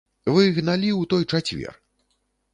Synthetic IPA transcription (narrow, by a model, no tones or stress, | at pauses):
vɨɣnalʲiwt̪ɔjt͡ʂat͡sʲvʲɛ̰r